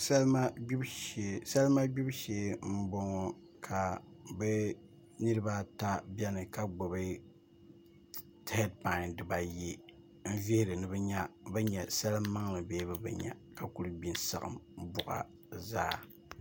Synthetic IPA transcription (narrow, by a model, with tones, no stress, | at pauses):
sa˦lma˦ɡ͡bu˦bʃe˨sa˦lma˦ɡ͡bu˦bʃeː˨˦m̩˦bo˦ŋɔ˦ | kʰa˨bɛ˦ | ni˦ɾɨ˦ba˦ta˦bʲɛ˦nɨ˨ka˨ɡ͡bo˨bɨ˦ | tɛ˦d̚pa˨ɪ˨ndɨ˨ba˨je˦ | n̩˦vi˦hɪ˦ɾɨ˨nɨ˦bɛ˦ɲa˦bɛ˦ɲɛ˨sa˦lɨ˦mː˦a˦ŋlɨ˨beː˦bɨ˦bɛ̰˨ɲa̰˨ka˨ku˦ɾɨ˦bi˨nsa̰˨ɣɨ̰˨mbʊ˨ʔa̰˨ | zaː˦˨